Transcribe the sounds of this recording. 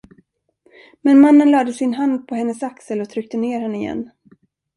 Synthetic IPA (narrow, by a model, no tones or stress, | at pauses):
mɛnmanːənlɑːd̪əsɪnɦand̪̚pʰɔhɛnːəsaksəlɔt̪ʰɾʏk̚t̪əneːɾhɛnːəɪjɛ̰nː